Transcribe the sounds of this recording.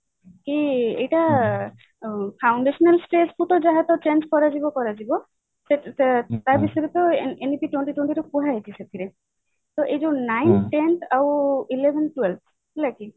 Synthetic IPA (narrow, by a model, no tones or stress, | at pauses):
kiejʈa | pʰawɳɖeʃɔnalsʈesput̪ɔd͡ʒaɦat̪ɔt͡ʃenskɔɾad͡ʒibɔkɔɾad͡ʒibɔ | set̪aɾbisɔjɾet̪ɔenipiʈweɳʈiʈweɳʈiɾɔkuɦaɦet̪ʰiset̪ʰiɾe | t̪ɔʔed͡ʒonajnʈent̪ʰawilebʱenʈwelbʰ | laki